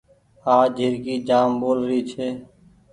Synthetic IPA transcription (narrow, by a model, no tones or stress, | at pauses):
aːd͡ʒʱɪɾkiːd͡ʒaːmboːlɾiːt͡ʃʰeː